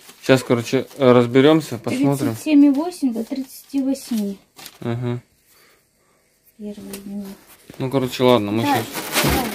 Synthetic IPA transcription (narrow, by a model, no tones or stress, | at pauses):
ɕaskɐɾo̞t͡ɕɪɾəzbʲɪɾʲo̞msʲəpɐɾmo̞t̪t̪ɾʲɪmsʲemʲivosʲɪmʲd̪ot̪ɾʲɪt̪sɨ̥tʲivɐsʲmʲi | m̩ɦm̩ | pʲervɨjdʲnʲi | nukɐɾo̞t͡ɕɪlˠad̪nəmɨʃas